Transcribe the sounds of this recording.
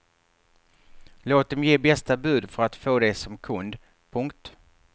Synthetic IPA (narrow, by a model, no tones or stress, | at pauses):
loːt̪̚d̪ɛmjeːbɛst̪abʉ̟ːd̪fœɾat̪foːd̪ɛsɔmkʰɵnd̪ | pʰɵŋkt̪